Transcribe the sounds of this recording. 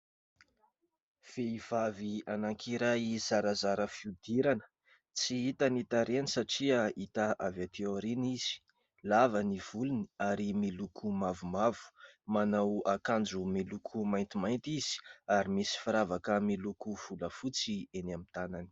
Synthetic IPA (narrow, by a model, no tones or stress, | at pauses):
v̥eiv̥avianaŋkʰiɾajzaɾazaɾəfiud̪̥iɾanə̥ | t͡siit̪anit̪aɾenisaʈ͡ʂiait̪aʔavat̪eoɾiniz̥i̥ | lavəniv̥uluni̥aɾimilukʰumavumavu̥manawakand͡ʒumilukʰumajnt̪imajnt̪iz̥i̥aɾimisi̥fiɾavakəmilukuv̥uləfut͡sienamit̪anani̥